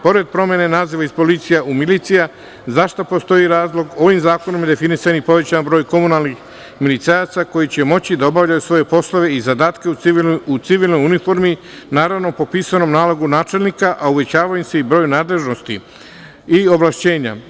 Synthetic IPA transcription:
po̞ɾe̞d̪̚pɾomjene̞naːziʋaispo̞lit̪sijaʔumilit̪sija | zaʃt̪opo̞st̪o̞jiɾaːzlˠo̞ɡo̞ʋimzaːko̞nomjed̪e̞finisanipo̞ʋe̞t͡ɕanbɾo̞ːjko̞munalˠnix | milit̪sajat̪sako̞jit͡ɕemo̞t͡ɕid̪ao̞baʋʎajusʋo̞je̞po̞slˠoʋe̞izad̪aːt̪ke̞uut̪siʋilno̞junifoɾmi | naːɾaʋno̞popiːsano̞mnaːlˠo̞ɡunaːt͡ʃe̞lnikaʔauʋe̞t͡ɕaːʋaimse̞ibɾo̞ːjunaːd̪le̞ʒno̞st̪i | io̞ʋlˠaʃt͡ɕe̞ːɲa̰

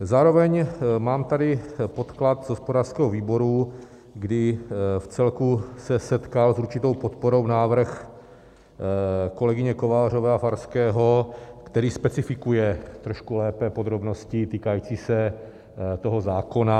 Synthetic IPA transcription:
zaːɾo̞vɛɲmaːmt̪adɪpo̞t̪klat̪zɦo̞spodaːr̥skɛɦoviːbo̞ɾu | ɡdɪft͡sɛlkusɛsɛt̪kalsuɾt͡ʃɪt̪o̞wpot̪poɾo̞wnaːvr̩x | ko̞lɛɡɪɲɛko̞vaːr̝o̞vɛːafaɾskɛːɦo̞kt̪ɛɾiːspɛt͡sɪfɪkujɛt̪ɾoʃkulɛːpɛpo̞d̪ɾo̞bno̞scɪt̪iːkajiːt͡siːsɛ | t̪o̞ɦo̞zaːko̞na

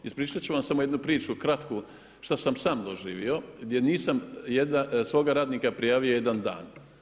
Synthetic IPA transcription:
ispɾiːt͡ʃat͡ɕuʋamsamoje̞d̪nupɾiːt͡ʃukɾat̪ku | ʃt̪asamsaːmd̪oʒiːʋio̞ɡd̪je̞niːsamjed̪asʋo̞ːɡaɾaːd̪nikapɾijaːʋio̞je̞d̪and̪a̰ːn

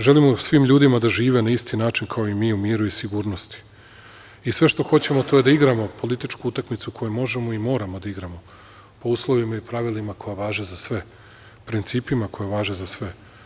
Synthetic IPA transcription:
ʒe̞limosʋiːmʎuːd̪imad̪aʒiːʋe̞naist̪inaːt͡ʃinkʰaoimiːumiːɾuisiɡuːɾno̞st̪i̥ | isʋe̞ʃt̪o̞xo̞t͡ɕe̞mo̞t̪ojed̪aiɡɾamo̞pʰo̞lit̪it͡ʃkuut̪akmit̪sukʰo̞jumo̞ʒe̞moimo̞ːɾamo̞d̪aiɡɾamo̞ | po̞uːslˠo̞ʋimaipɾaʋilimakʰo̞jaʋaːʒezasʋe̞ | pɾint̪siːpimako̞jeʋaːʒezasʋe̞

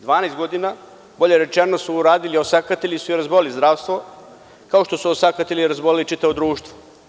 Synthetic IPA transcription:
d̪ʋaːnajst̪ɡo̞d̪ina | bo̞ʎeɾe̞t͡ʃenosuːɾaːd̪iliosakat̪eʎʲisuiɾazboilizd̪ɾaːʋst̪ʋo̞ | kaoʃt̪o̞suosakat̪elʲiɾazbolilit͡ʃit̪aʋo̞d̪ɾuːʃt̪ʋo

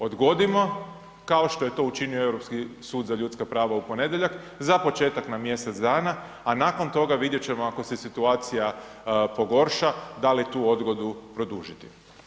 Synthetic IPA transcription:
o̞d̪ɡo̞d̪imo̞ | kaoʃt̪o̞jet̪o̞ut͡ʃinioe̞wɾo̞pskisuːd̪zaʎut̪skapɾaːʋaupo̞ne̞d̪je̞ʎak | zapo̞t͡ʃe̞ːt̪aknamje̞set̪zd̪aːna | anaːko̞nt̪o̞ɡaʋid̪je̞t͡ɕe̞mo̞ako̞sesit̪uaːt̪sija | po̞ɡo̞ɾʃad̪alit̪uːo̞d̪ɡo̞d̪upɾo̞d̪uːʒit̪i̥

